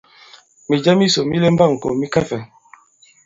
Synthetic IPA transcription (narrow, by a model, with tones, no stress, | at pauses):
mi˨d͡ʒa˦mi˦so˨mi˦le˦m˦ba˦˨ŋ̩˨ko̰˨mi˦ka˦fɛ˨